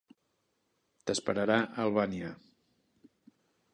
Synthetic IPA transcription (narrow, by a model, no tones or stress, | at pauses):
t̪əspəɾəɾaʔəlˠβaniə